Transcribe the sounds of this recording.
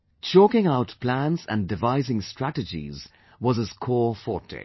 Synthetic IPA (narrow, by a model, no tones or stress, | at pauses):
t͡ʃʰɔkɪ̃ŋaʊtpʰl̥æ̃nzə̰̃ndɨvaɪzɪ̃ŋstʰɹ̥ætɨd͡ʒḭz | wʌzɨz̥kʰɔfɔtḛ